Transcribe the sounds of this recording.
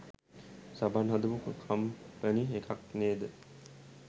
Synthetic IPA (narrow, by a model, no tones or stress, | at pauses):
sabanɦad̪uʋukəkʰampæniekʰak̚neːd̪ə